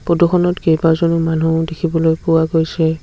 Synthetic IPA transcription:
poduxɔnɔtkejbazonumanudekʰibɔlojpʊwaɡojsɛ

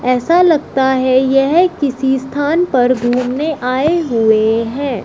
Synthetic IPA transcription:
ɛːsalɐɡ̚t̪aɦɛjɛɦkɪsist̪ʰaːnpɐɾɡʱuːmneʔaːeɦʊeɦɛ̃ː

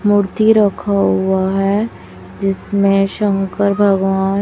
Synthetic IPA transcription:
mʊɾt̪iɾɐkʰaɦʊaɦɛ | d͡ʒɪsmẽʃə̃ŋkəɾbʱɐɡʋaːn

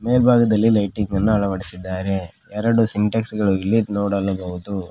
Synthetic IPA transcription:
me̞ːlbʱaːɡɐd̪ɐlːilɐjʈiŋɡɐnːuɐɭɐʋɐɽisid̪ːaːɾeɛɾɐɽusiɳʈɐksɡɐɭuilːinoːɽɐlːɐɡɐɣut̪u

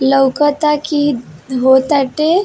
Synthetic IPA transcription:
ləwkət̪akiɦot̪aʈe

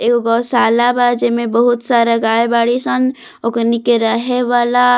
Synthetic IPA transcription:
ekɡɔsaːlabad͡ʒemebəɦut̪saɾaɡaebaɽisən | okɾnikeɾəɦeʋala

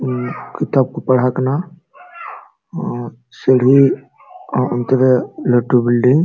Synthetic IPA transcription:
kit̪aːb̚kopɐɽ̤akna | seɽ̤i | ʊnt̪eɾeləʈːubɪlɖiŋɡ

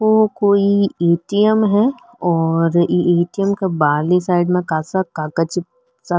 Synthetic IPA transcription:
ʋokoːieːʈijəmɦɛ | ɔːɾeʔeːʈijəmkebaːlisaːɪɖmẽkaːsakaːkət͡ʃi | sa

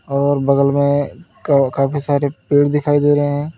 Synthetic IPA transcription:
ɔːɾbɐɡəlmẽkkaːpʰisaːɾepiːɽd̪ɪkʰaːid̪eːɾəɦeɦɛ̃ː

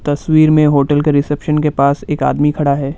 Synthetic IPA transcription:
t̪ɐswiːɾmẽɦoːʈəlkeɾɪsɛpʃənkepaːseːka̰ːd̪mikʰɐɽaɦɛː

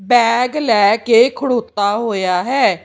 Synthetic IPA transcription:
bɛːɡlɛːkeːkʰəɽoːt̪ːaːɦoːjaːɦɛː

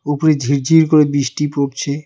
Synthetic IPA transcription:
upoɾed͡ʑʱiɾd͡ʑʱiɾkoɾebiʃʈipop̚t͡ɕʰe

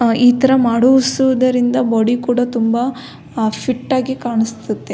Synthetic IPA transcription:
iːt̪ɐɾɐmaːɽuʋsuʋɐd̪ɐɾind̪ɐbɔːɽikuːɽɐt̪umbɐ | pʰiʈːaːɡikaːɳist̪ut̪ːe̞

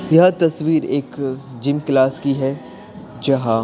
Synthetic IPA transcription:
jɐɦt̪ɐsʋiːɾeːkd͡ʒɪmklaːskiɦɛ | d͡ʒɐɦã

